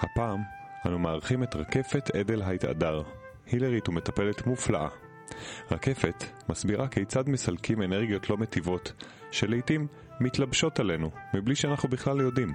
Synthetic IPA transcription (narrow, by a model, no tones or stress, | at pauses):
hapaːmʔanumaːʁχime̞tʁake̞fe̞t̪ʰe̞de̞lɦajta̰daʁ | hileʁitume̞t̪ape̞le̞t̪muflaʔa̰ | ʁake̞fe̞t̪masbiʁakejt͡sad̪me̞salkʰime̞neʁɡijo̞tʰlo̞me̞tivo̞t | ʃe̞lejtimː | itlabʃo̞tale̞numibliʃeanaχnubiχlaljo̞dim